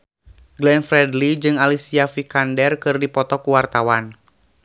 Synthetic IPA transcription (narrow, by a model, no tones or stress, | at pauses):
ɡlɛnfɾɛdlid͡ʒɨŋalisiafikandɛrkɨrdipɔt̪ɔkuwart̪awan